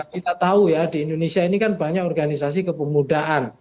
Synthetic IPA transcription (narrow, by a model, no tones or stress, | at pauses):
kit̪at̪aujadiːndonesiainikanbaɲakɔrɡanisasikəpəmudaʔan